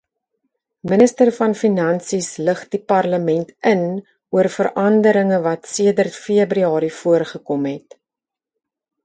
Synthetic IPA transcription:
mənəstərfɐnfinɐnsisləχdipɐrləmɛntən | uərfərʔɐndəɾəŋəvɐtsiədərtfiəbɾyɑːɾifuərχəkɔmɦɛt

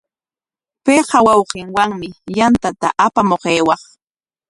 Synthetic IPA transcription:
peɢɑwɑwqɪŋwaŋmɪjant̪at̪a̰ʔapamoqejwɑχ

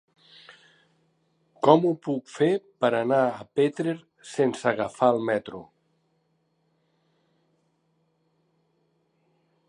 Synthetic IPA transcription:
kɔmupukfepəɾanaəpet̪ɾeɾ | sensəɣafaəlˠmɛt̪ɾṵ

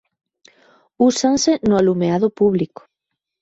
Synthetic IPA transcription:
usansɪnʊalumeaðʊpuβliko̥

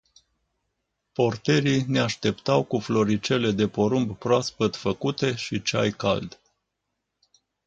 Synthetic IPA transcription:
po̞rt̪e̞ɾine̞aʃt̪e̞pt̪awkuflo̞ɾit͡ʃe̞le̞d̪e̞po̞ɾumbpɾoaspət̪fəkut̪e̞ʃit͡ʃa̰jka̰ld̪

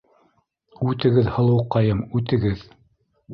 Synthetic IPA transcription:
ʉt̪ɘ̆ɡɘðhɤ̆lˠɤ̆wqɑjɤmʉt̪ɘ̆ɡɘð

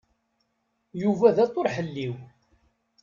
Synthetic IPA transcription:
juvæðæt̪ːʊɾħəlːiw

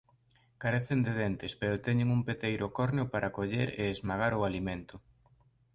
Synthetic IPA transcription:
kaɾeθend̪eðɛnt̪ɪspeɾʊt̪ɛɲeŋumpet̪ejɾʔʊkɔɾneʊpaɾʔakoʎeɾeːzmaɣaɾʊalimẽnt̪ʊ

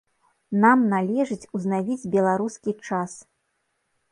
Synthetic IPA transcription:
namnalʲɛʐɨt͡sʲuznavʲid͡zʲbʲɛlˠaɾuskʲit͡ʂas

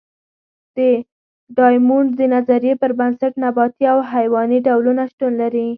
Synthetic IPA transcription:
d̪̥ə | ɖɑjmuɳɖd̪ənazaɾjepəɾbansaʈnabɑt̪iawɦajwɑniɖawlunaʃʈ̪unlaɾi

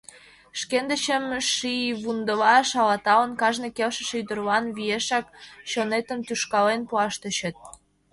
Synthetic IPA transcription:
ʃkend̪ət͡ɕəmʃiβund̪əβɑʃɑlɑt̪ɑlənkɑʒnekelʃə̆ʃeyd̪ərlɑnβieʃɑkɕonet̪əmt̪yʃkɑlenpuɑʃt̪ə̆ɕət̪̚

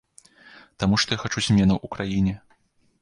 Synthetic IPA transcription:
t̪amuʂt̪ɔjaxat͡ʂuzʲmʲɛnɐwʔukɾajinʲɛ

